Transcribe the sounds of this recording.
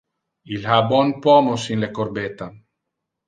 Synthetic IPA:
ilhabwɔnpɔmosinlekorbet̪ːa

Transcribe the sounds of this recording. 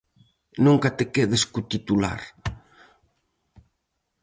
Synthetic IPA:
nũŋkat̪ekeðeskut̪it̪ula̰ɾ

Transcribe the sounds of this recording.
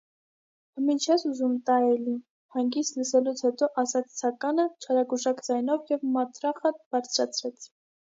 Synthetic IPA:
mint͡ʃʰɛsuzumt̪ɑjɛli | hɑŋɡist̪ləsɛlut͡sʰhɛt̪ɔʔɑsɑt͡sʰt͡sʰɑkɑnət͡ʃʰɑɾɑɡuʒɑkd͡zɑjnɔvjɛvmɑt̪ɾɑχəb̥ɑɾt͡sʰɾɑt͡sʰɾɛt͡sʰ

